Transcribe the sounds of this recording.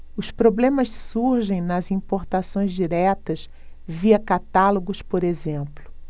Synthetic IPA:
ʊspɾoblẽmɐssuɾʒẽj̃nɐzĩpoɾt̪asõj̃zd͡ʒiɾɛt̪ɐs | viɐkat̪aloɡʊspoɾezẽmplʊ

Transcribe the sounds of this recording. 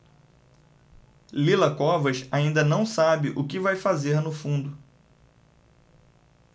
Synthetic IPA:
lilɐkɔvɐʃaĩnd̪ɐnɐ̃w̃sabɪʔʊkɪvajfazeɾnʊfũnd̪ʊ

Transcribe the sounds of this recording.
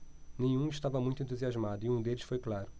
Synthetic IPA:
nẽj̃ũiʃt̪avɐmũj̃t̪ʊẽt̪̬uziazmad̪ʊiũd̪elɪsfojklaɾʊ

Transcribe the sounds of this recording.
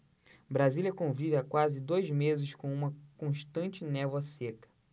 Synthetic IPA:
bɾazilʲjɐkõvivɪakwazɪd̪ojzmezɪʃkõũmɐkõʃt̪ɐ̃nt͡ʃɪnɛvwɐsekɐ̥

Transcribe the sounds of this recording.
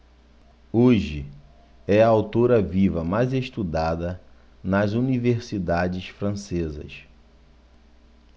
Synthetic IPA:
oʒɪ | ɛɐawt̪oɾɐvivɐmajzeʃt̪ud̪ad̪ɐ | nɐzuniveɾsid̪ad͡ʒɪsfɾɐ̃sezɐ̰s

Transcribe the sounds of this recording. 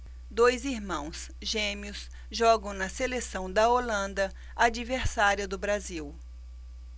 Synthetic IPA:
d̪ojziɾmɐ̃w̃s | ʒẽmiʊs | ʒɔɡɐ̃w̃nɐselesɐ̃w̃d̪ɐolɐ̃nd̪ɐ | ad͡ʒiveɾsaɾiɐd̪ʊbɾaziw

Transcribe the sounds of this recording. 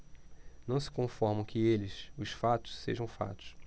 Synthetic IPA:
nɐ̃w̃sɪ̥kõfɔɾmɐ̃w̃kɪelɪsʊʃfat̪ʊ̥sseʒɐ̃w̃fa̰t̪ʊ̥s

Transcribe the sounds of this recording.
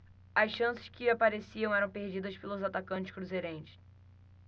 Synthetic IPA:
ɐsʃɐ̃sɪ̥skɪapaɾesiɐ̃w̃ɛɾɐ̃w̃peɾd͡ʒid̪ɐspelʊzat̪akɐ̃nt͡ʃɪ̥skɾuzeɾẽt͡ʃɪ̥

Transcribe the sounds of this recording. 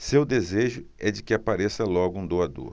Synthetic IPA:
sewd̪ezeʒʊɛd͡ʒɪkɪapaɾesɐlɔɡʊũd̪oad̪o̰ɾ

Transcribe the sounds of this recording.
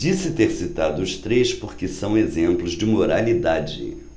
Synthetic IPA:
isɪt̪eɾsit̪ad̪ʊːʃt̪ɾejspoɾkɪsɐ̃w̃ezẽmplʊzd͡ʒɪmoɾalid̪ad͡ʒɪ̰

